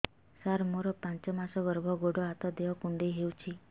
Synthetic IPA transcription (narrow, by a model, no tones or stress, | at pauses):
saɾmoɾɔpãnt͡ʃɔmasɔɡɔɾbʱɔɡoɽɔat̪ɔd̪eɦɔkuɳɖeɦewt͡ʃʰi